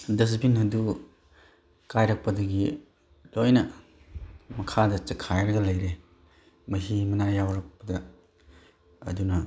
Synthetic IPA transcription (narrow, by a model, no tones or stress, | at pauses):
dɐs̬pʰinhɐdu | kajɾɐk̚pɐdɐɡi | lojnɐ | mɐkʰadɐt͡ʃɐkʰajɾɐɡɐlɐjɾe | mɐɦimɐnajawɾɐk̚pɐdɐ | dunɐ